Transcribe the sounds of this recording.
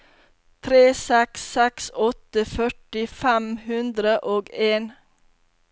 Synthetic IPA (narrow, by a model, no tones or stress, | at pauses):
t̪ʰɾeːsɛksɛksɔt̪əfœʈɪfæmhʉnd̪ɾəʔoːɡeːn